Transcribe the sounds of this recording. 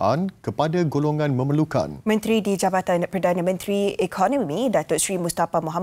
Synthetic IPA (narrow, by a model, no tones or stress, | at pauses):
ʔankəpadaɡoloŋãnmə̃məluka̰nmə̃nt̪ɾidid͡ʒabat̪anpəɾdanamə̃nt̪ɾiekʰɔnɔ̃mĩdat̪ʊʔsɾimust̪afamoɦa